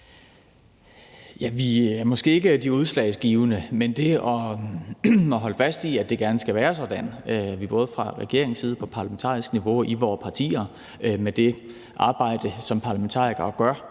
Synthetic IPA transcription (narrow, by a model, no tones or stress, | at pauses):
jæʋiæɐmɒ̽sɡ̥e̝̰ːe̝ɡ̥əd̥iuð̞ˠslɛ̰ɪsɡ̥iːʊnəmend̥e̝ɒ̽ | ɒɦɒ̽ləfæsd̥iæd̥e̝ɡ̥æɐnəsɡ̥æʋæːɐsɒd̥æn̰ʋib̥ɔ̽ːð̞̩ˠəfʁɑ̈ʁɛ̰ɡ̥e̝ɐeŋ̩siːð̞ˠəpʰɒ̽pʰɑ̈læment͡sʰɑ̰̈ːʁisɡ̥niʋo̝iʋɒːpʰɑ̈t͡sʰḭːɐ | med̥e̝ | ʔɑ̈ːb̥ɑ̈ɪ̰d̥əsɒ̽mpʰɑ̈læment͡sʰɑ̰̈ːʁiɡ̥ɐːɡ̥ɶɐ